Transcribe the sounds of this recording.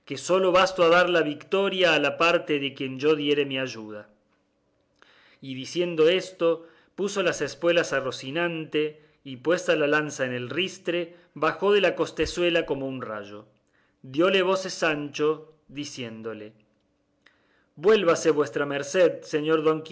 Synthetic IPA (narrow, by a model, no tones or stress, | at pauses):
ke̞so̞lo̞βast̪oaðaɾlaβikt̪o̞ɾjaːlapaɾt̪eðekje̞nd͡ʒo̞ðje̞ɾe̞miaʒuð̞a | iðisje̞nd̪o̞est̪o̞ | puso̞lasespwe̞lasarosinãnt̪e̞ | ipwe̞st̪alalansaene̞lrist̪ɾe̞ | βaxo̞ð̞elako̞st̪e̞swe̞lako̞mounra̰ʒo̞ | ðjo̞le̞β̞o̞sesːant͡ʃo̞ | ðisje̞nd̪o̞le | bwe̞lβaseβwe̞st̪ɾameɾseðseɲo̞ɾðo̞ŋki